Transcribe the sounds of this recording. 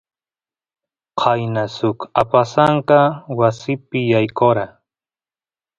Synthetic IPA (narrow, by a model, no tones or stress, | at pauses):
qʰɑjnasʊkapasaŋkɑwasɪpɪjajkoɾa